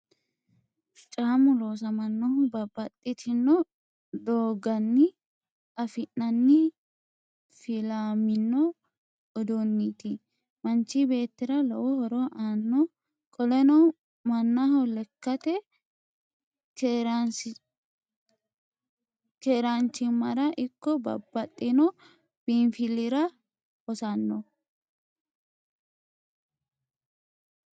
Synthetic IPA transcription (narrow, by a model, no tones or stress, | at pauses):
t͡ʃʼaːmʊlo̞ːs̬ɐmɐnːɔhʊbɐbːɐt̪ʼːɪt̪ʰɪnːɔ | d̪oːɡɐnːɪ | ɐfɪnːɐnːɪ | fɪlaːmɪnːɔː | d̪ɔnːit̪ɪ | mɐnt͡ʃːibe̞ːt̪ːɪɾɐlɔwɔhɔɾɔʔaːnːɔ | kʼɔlɛnɔ | mɐnːahɔlɛkːɐt̪ɛ | keːɾant͡ʃːɪmɐɾɐʔɪkːɔbɐ̰bːɐt̪ʼːɪnɔ | b̥infɪlɪɾɐ | ɔsɐnːɔ